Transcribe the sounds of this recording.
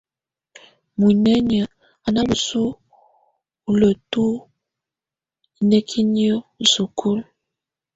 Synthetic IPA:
mu˨nɛ˦ɲ˨ə˨ | a˨na˦bu˨su˦ | u˨lə˨tu˦ | i˨nɛ˦kʰi˦ni˦ɔ˦u˨su˨kʰu˦l

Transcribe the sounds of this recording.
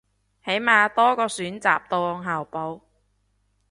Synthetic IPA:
he˨˥jmaː˧t̪ɔː˥kɔː˧syː˨˥nt͡sa̰ː˨p̚t̪o˧wŋɦaː˨wpo˨˧w

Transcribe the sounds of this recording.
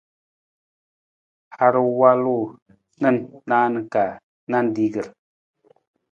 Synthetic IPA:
ha˨ɾə˨wa˦lo˦˨ | nə˦˨nnaː˦nə˨ka˨ | na˦n˦di˦ɡə˨ɾ

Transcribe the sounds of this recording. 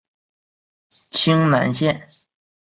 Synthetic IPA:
t͡ɕʰi˥ŋna̰˧˥nɕjɛ˥˩n

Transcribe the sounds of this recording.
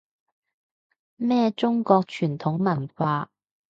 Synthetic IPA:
mɛː˥t͡ʃʊ˥ŋkɔː˧k̚t͡ʃʰyː˨˩nt̪ʰʊ˨˥ŋmɐ˨˩nfaː˧

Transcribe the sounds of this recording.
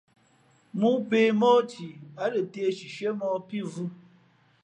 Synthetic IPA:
mu˦be˦mɔ˦tʰi˨a˨˦lə˨te˦ʃi˨ʃe˦mɔ˦pi˦vu˦

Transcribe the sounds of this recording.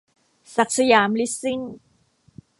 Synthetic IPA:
sa˨˩k̚sa˧jaː˩˦mli˦˥si˥˩ŋ

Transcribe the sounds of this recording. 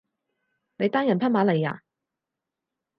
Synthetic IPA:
ne˨˧jt̪aː˥ŋjɐ˨˩npʰɐ˥maː˨˧˥le˨˩ja̰ː˧

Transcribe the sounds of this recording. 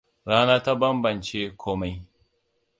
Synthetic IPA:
ɾaː˦naː˦ta˦bɐ˦mbɐ˨nt͡ʃe˦kʷʰoː˦ma˦j

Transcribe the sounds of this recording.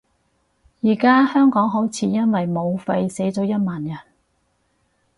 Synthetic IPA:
jiː˨˩kaː˥hœː˥ŋkɔː˨˥ŋɦo˨˥wt͡sʰiː˨˧˥jɐ˥nwɐ˨jmo˨˧wfɐ˧jse˨˥jt͡sɔː˨˥jɐ˥t̚maː˨njɐ˨˩n

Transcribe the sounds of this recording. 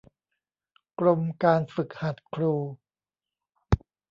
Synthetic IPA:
kɾo˧mkaː˧nfɯ˨˩k̚ha˨˩t̪̚kʰɾuː˧

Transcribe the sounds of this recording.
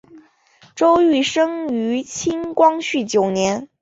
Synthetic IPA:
ʈ͡ʂo˥ʊy˥˩ʂɤ˥ŋy˧˥t͡ɕʰi˥ŋkwɑ˥ŋɕy˥˩t͡ɕjo˨˩ʊnjɛ˧˥n

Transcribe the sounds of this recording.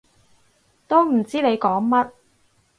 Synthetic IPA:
t̪o˥wm̩˨˩t͡siː˥ne˨˧jkɔː˨˥ŋmɐ˥t̚

